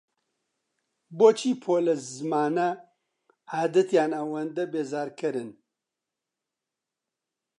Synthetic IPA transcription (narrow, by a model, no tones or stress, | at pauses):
boːt͡ʃʰiːpʰoːlɐzmaːnɐ | aːd̪ɐt̪jaːnɐwɐnd̪ɐbeːzaːɾkɨɾɨn